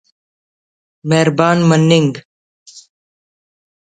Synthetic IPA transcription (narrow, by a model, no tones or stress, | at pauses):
meɦɾbaːnmənːɪŋɡ